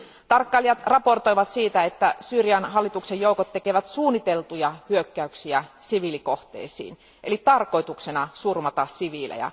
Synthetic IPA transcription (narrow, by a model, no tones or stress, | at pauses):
t̪ɑrkːɑliɑt̪rɑport̪oiʋɑt̪siːt̪æet̪ːæsyːrjɑnɦɑlːit̪uksejouwkot̪t̪ːekeʋæt̪suːnːit̪elt̪ujɑhyøkːæyksiæsiʋilikoht̪ḛːsḭːn | ʔelit̪ɑrko̞it̪uksenɑsurmɑt̪ɑssiʋiːlḛjɑ̰